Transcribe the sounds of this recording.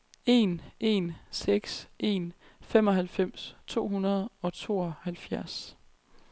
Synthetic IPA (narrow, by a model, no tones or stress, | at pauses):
e̝nʔe̝nseɡ̥sʔe̝̰nfem̰ɒ̽ɦælfem̰st͡sʰo̝̰ːɦunɐð̞ˠɒ̽t͡sʰo̝̰ːɒhælfjæɐs